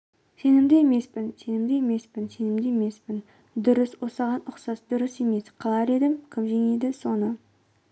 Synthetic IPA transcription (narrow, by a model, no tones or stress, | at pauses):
se̞nɪmd̪eeme̞spɪnse̞nɪmd̪eeme̞spɪnse̞nɪmd̪eeme̞spɪn | d̪ʊɾɪswo̞sɑʁɑnʊqsɑsd̪ʊɾɪse̞me̞sqʰɑlˠɑɾe̞d̪ɪmkʲʰɪmʒe̞ŋe̞d̪ɪso̞nə